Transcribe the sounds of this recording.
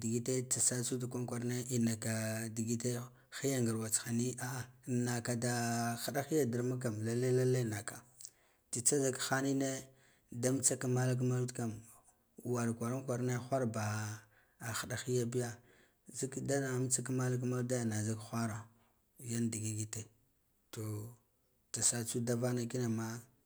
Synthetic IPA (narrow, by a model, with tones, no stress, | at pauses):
di˨ɡi˦te˦t͡sa˨sa˦su˦da˨kʷa˦n˦kʷa˨ɾne˦i˨na˨ka˨di˨ɡi˦te˦ | xi˦ja˦ŋɡə˨ɾwa˨t͡sxa˨ni˦a˦˨na˨ka˨da˨xa˨ɗa˦xi˦ja˦da˨ɾma˦k̬a˨mla˦la˦la˦la˦˨na˨ka˨ | ti˨t͡sa˦za˦kxa˦ni˦ne˦ | da˦m˦t͡sa˦ka˦ma˦la˦k̬ma˦dka˨m˨ | wa˨ɾkʷa˨ɾa˦nkʷa˨ɾna˦xʷa˦ɾba˨ | a˨xa˨ɗa˨xi˦ja˦bi˦ja˨ | zi˦kda˦na˨˦m˦t͡sa˦ka˦ma˦la˦k̬a˦ma˦da˦ja˨na˨za˦kxʷa˦ɾa˨ | ja˦ndi˨ɡi˦ɡi˦te˨ | to˨ | ta˨sa˦t͡su˦da˦va˦na˦ki˦na˨ma˦